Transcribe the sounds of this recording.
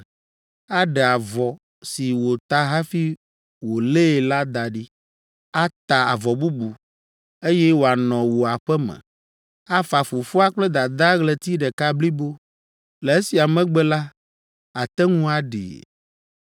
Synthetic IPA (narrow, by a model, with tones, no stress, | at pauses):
a˦ɖɛ˨a˨vɔ˨ | si˨wo˨t̪a˦ɦa˦fi˦ | wo˨le˦˨la˦d̪a˨ɖi˦ | a˦t̪a˨a˨vɔ˨bu˦bu˨ | e˦jɛ˦wo˨a˨nɔ̃˨wo˨a˨ɸɛ˦mɛ̰̃˨ | a˦fa˨fu˨fu˦a˦k͡plɛ˦d̪a˨d̪a˦ɣlɛ˦t̪i˦ɖɛ˨ka˦bli˦bo˦ | lɛ˨e˦si˨a˨mɛ̃˦ɡ͡bɛ˦la˦ | a˨t̪ɛ˦ŋũ˦a˨ɖḭ˨